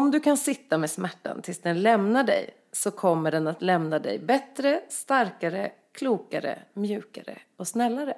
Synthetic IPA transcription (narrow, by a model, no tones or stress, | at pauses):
ɔmd̪ɵkʰansɪt̪ːameːsmæʈːa̰nt̪ʰɪlsd̪ɛnlɛmnaɖɛ̰j | sɔkʰɔmːəɖɛnat̪lɛmnad̪ɛ̰jbɛt̪ɾəst̪aɾkaɾə | kʰluːkaɾə̰mjʉ̟ːka̰ɾə̰ | ɔsnɛlːaɾə